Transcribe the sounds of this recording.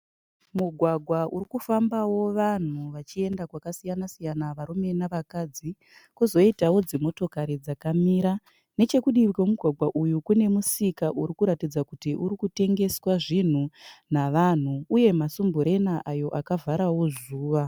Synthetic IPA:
muɡʱwaɡʱwaʔuɾikufambawo̞ʋan̤uʋat͡ʃie̞ndakwakasijanasijanaʋaɾume̞naʋakad͡zi | kuzo̞itawo̞d͡zemo̞to̞kaɾid͡zakamiɾa | ne̞t͡ʃe̞kuɗirkomuɡʱwaɡʱwaʔujukune̞musikaʔuɾikuɾatid͡zakutiʔuɾikute̞ŋɡe̞swaʐin̤unaʋan̤uuje̞masumbuɾe̞naʔajo̞ʔakavʱaɾawozuːʋa

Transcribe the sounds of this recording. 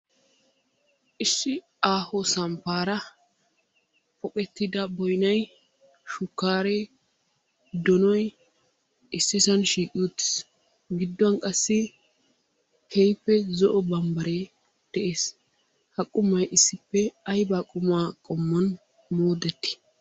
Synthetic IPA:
ʔɪsːɪ | aːhɔsɐmpaːɾɐ | fɔkʼɛt̪ːɪd̪ɐbɔjnɐj | ʃʊkːaːɾe | d̪ɔnɔj | ʔɪsːɪsɐnʃiːkʼɪjɔt̪ːɪ̥s | ɡɪd̪ːɔɐnkʼɐsːɪ | kʰejpːɛzɔʔɔbɐmbɐɾe | d̪̥ɛʔeːs | hɐkʼʊmɐjʔɪsːɪpːɛɐjbaːkʼʊmaːkʼɔmːɐn | moːd̪ɛt̪ːɪ̥

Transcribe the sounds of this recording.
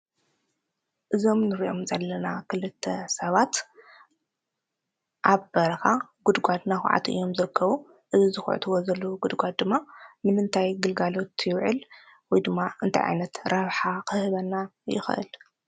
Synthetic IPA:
ʔɨzo̞mnɨɾiʔo̞mzɐlːɐnakʰɨlɨt̪ʰːɐsɐβat̪ | ʔaβbɐɾɐkaɡ̥ud̪ɡʷad̪naxʷʕa̰t̪ʔɨ̰jːo̞mzɨɾɨkʰːɐβu | ʔɨzizɨxʕɨ̰t̪ʰɨwozɐluɡud̪ɡʷad̪̚d̪ɨmːamɨnɨnt̪ʰajɡɨlɡalo̞t̪jɪwʕɨl | wɔjd̪ɨmːaɨ̰nt̪ʰa̰jʕa̰jnɐt̪ɾɐβħakʰɨhɨβɐnːajɪ̰xʔɨ̰l

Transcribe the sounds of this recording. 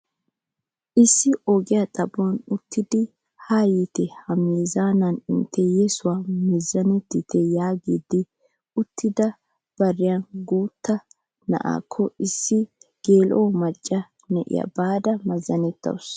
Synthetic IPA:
ʔɪsːɪʔɔɡɪjat̪ʼɐbonʊt̪ːɪd̪ɪ | haːjit̪ɛhɐmiːzaːnɐnɪnt̪ʰːɛjɛsʊwaːmɛzːɐnɛt̪ːɪt̪ɛjaːɡiːd̪ɪ | ʊt̪ʰːɪd̪ɐ | b̥ɐrːɪjɐnɡuːt̪ːɐ | nɐ̰ʔa̰ːkʰːɔɪsːɪɡ̥eːlʔoːmɐt͡ʃʼːɐ | nɛʔɪ̰jɐ̰baːd̪ɐmɐzːɐnɛt̪ːɐ̰wʊs

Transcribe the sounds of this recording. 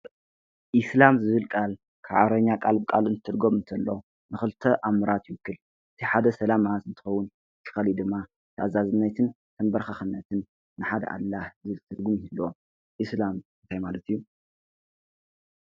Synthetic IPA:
ʔislamzɨβɨlkʼal | kʰa̰ʕaɾɐɲːakʼalbkʼalɨnt̪t̪ʰɨɾɡomɨnt̪ʰɐlːo | nɨxɨlt̪ʰɐʔamɨɾat̪jɪwɨkʰːɨl | ɨt̪ʰiħad̪ɐsɐlamat̪ɨnt̪ʰɨ̥xɐwːʊn | t̪ʰːɨ̥xɐlid̪ɨmːa | t̪ʰɐazazɨnːɐjt̪ʰɨn | t̪ʰɐnbɐɾxaxɨnːɐt̪ʰɨnː | ɨħad̪ɐ̰ʔa̰lːahɨɨlt̪ʰɨd̪ɡumihilːo | ʔislamɨnt̪ʰajmalɐt̪ijːu

